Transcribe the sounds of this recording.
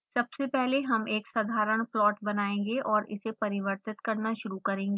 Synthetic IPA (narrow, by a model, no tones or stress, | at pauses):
sɐbsepɛɦleɦɐmeːksɐd̪ʱaːɾəɽ̃plɔːʈbɐnaːẽːŋɡeʔɔːɾɪ̰sepɐɾɪʋəɾt̪ɪt̪kɐɾnaʃʊɾukɐɾẽːŋɡeː